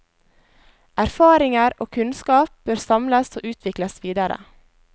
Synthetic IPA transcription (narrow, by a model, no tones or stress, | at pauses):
ʔæɾfɑːɾɪŋəɾo̰ːkʰʉnskɑːp̚b̥øːɾsɑmləso̰ːʔʉːt̪ʰʋɪkləsʋiːd̪əɾə̰